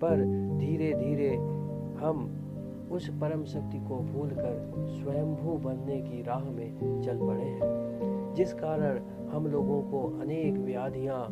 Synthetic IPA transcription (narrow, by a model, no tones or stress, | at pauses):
pɐɾd̪ʱiːɾed̪ʱiːɾe | hɐm | ʊspɐɾə̃mʃɐk̚t̪ikobʱuːlkəɾ | swɐjə̃mbʱubɐnnekiɾaːɦmẽt͡ʃɐlpɐɽeɦɛ̃ːd͡ʒɪskaːɾəɽ̃ | hɐmloːɡõkoʔɐneːkʋjaːd̪ʱijã